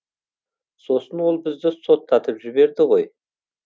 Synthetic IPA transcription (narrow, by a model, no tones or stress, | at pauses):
so̞sənwo̞lˠbɪzd̪ɪso̞t̪ʰːɑt̪əpʒɪbe̞ɾd̪ɪʁo̞j